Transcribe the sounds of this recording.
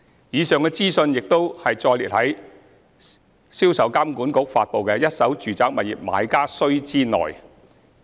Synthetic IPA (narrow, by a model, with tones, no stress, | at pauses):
jiː˨˧sœː˨ŋkɛː˧t͡siː˥sɵ˧njɪ˨k̚t̪o˥whɐ˨jt͡sɔː˧jliː˨t̚hɐ˨˥j | siː˥wsɐ˨˥wkaː˥mkuː˨˥nkʊ˨˥k̚faː˧t̚po˨wkɛː˧jɐ˥t̚sɐ˨˥wt͡ʃyː˨t͡saː˨˥k̚mɐ˨˩jḭ˨p̚ma̰ː˨˧jkaː˥sɵ˥ɥt͡siː˥nɔ̰ː˨˩j